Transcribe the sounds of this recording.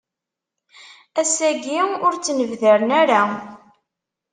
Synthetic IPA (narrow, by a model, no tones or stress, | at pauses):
æsæɡiʊɾt͡sːnəvðəɾnæɾa